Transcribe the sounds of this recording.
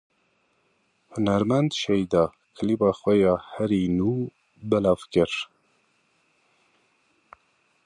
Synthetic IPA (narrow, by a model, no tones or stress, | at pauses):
hʊnæɾmænd̪ʃɛjd̪ɑː | kʰəlibɑːxʷwɛjɑːhɛɾiːnuː | bɛlɑːvkɨɾ